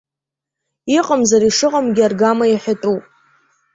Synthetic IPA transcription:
iqʼəmzaɾiʂɨqʼamɡʲɪarɡamajaħʷᶣatʼupʼ

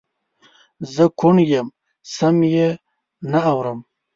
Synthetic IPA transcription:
zəkʰuɳjem | samje | naːwɾəm

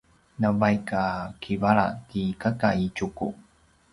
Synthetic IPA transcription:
navajkakʰivaɭa̰t̪ikakait͡ʃukṵ

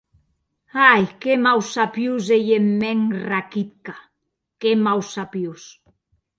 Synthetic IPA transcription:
ajkemawsapjuzejemːɛŋrakit̪̚ka | kemawsapjus

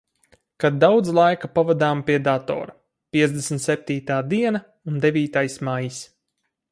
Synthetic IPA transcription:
kad̪dːawd̪zlˠajkapavad̪aːmpiɛd̪at̪ɔ̰ːɾa | piɛzd̪ʲesmʲt̪sɛp̚t̪iːt̪aːd̪iɛna | und̪evʲiːt̪ajsmajis

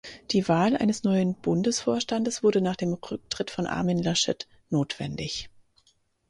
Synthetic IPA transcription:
d̥iːvaːlʔa̰ɪnəsnɔʏənb̥ʊndəsfoːɐʃtandəsv̥ʊɐdənaːχd̥eːmʁʏk̚tʁ̥ɪtfɔnʔa̰ɐminlaʃɛ̰t | noːtv̥ɛ̰ndɪç

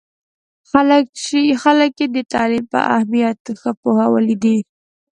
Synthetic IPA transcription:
xaləkʃixaləkjed̪ət̪ɑlimpə̰ʔa̰hmijat̪xəpohawəlid̪i

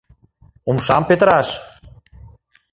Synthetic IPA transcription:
umʃampet̪ɾaʃ

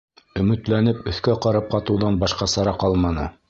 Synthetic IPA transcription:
ɵ̆mɘ̆t̪lænɘpɵ̆θkæqɑɾɑp̚qɑt̪ɤ̆wðɑnbɑʃqɑsɑɾɑqɑlˠmɑnɤ̰

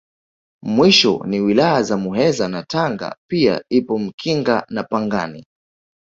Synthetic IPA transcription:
mwiʃɔ̰niwilajazamuɦɛzanataŋɡa̰pia̰ipɔm̩kʰiŋɡanapaŋɡanḭ

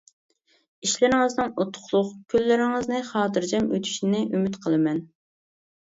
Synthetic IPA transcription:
iʃlɪɾɪŋɨznɨŋot̪ʰʊ̥χlˠʊχkʲʰølːɪɾɪŋɨznɨχɑːt̪ʰɨɾd͡ʒɛmø̰t̪ʰy̥ʃɪnɪʔymyt̪qʰəlˠɨmɛn

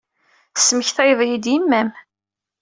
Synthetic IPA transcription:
sːməçθæjðˤjid̪jimːæm

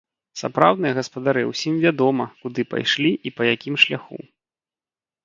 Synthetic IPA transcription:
sa̰pɾawd̪nɨjɐɣɐspɐd̪aɾɨwsʲimvʲad̪ɔmɐkud̪ɨpa̰jʂlʲiʔipɐjakʲimʂlʲaxṵ

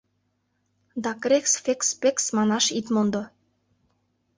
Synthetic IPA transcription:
d̪ɑkɾʲeksfekspeksmɑnɑʃit̪mond̪ŏ

